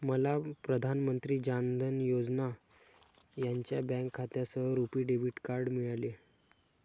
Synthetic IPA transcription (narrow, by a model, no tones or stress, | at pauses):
məlapɾəd̪ʱanmənt̪ɾiːd͡ʑand̪ʱənjod͡zna | jaɲt͡ɕjabɛ̃ŋkʰːat̪jasəɾupiːɖebiʈkaɾɖmiɭale